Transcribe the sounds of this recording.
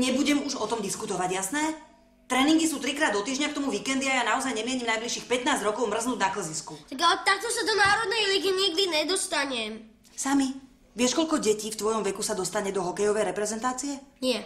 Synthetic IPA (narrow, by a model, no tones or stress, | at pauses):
ɲɛbuɟɛmuʒɔt̪ɔmd̪iskut̪ɔʋaɟjasnɛː | t̪ɾɛːniŋɡisuːt̪ɾikɾaːd̪ɔt̪iːʒɲak̚t̪ɔmuviːkɛnd̪iajanaɔzajɲɛmɪɛɲimnajbliʃiːxpɛt̪naːzɟɾɔkɔʊmr̩znuːdɟnakl̩ziskut̪aɡalɛt̪at̪ɔsad̪ɔnaːɾɔd̪nɛjliɡiɲiɡ̚d̪iɲɛd̪ɔst̪aɲɛm | sami | ʋɪɛʃkɔʎkɔɟɛciːft̪ʋɔjɔmʋɛkusad̪ɔst̪aɲɛd̪ɔɦɔkɛjɔʋɛjɾɛpɾɛzɛnt̪aːt͡siɛnɪɛ